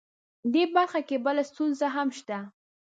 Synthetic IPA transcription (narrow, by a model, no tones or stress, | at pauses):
d̪ebaɾxakebəlast̪unzaɦamʃt̪a